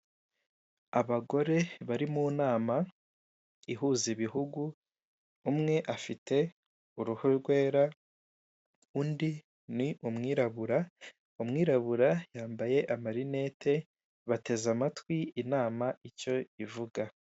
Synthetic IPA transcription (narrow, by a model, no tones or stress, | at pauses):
aβaɡo̞ɾe̞βaɾimuːnaːma | iɦuːziβiɦuɡuː | mŋe̞ʔafite̞ | uɾuhoɾɡwe̞ːɾa | undi | niʔumŋiːɾaβuɾa | umŋiːɾaβuɾajaːmbaje̞ʔamaɾine̞ːtʰe̞ | βate̞zamatwiinaːmaico̞ivuɡa